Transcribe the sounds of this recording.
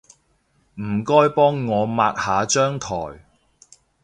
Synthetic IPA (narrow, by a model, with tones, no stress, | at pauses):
m̩˨˩kɔː˥jpɔː˥ŋːɔː˨˧maː˧t̚haː˨˧t͡ʃœː˥ŋt̪ʰɔ̰ː˨˩j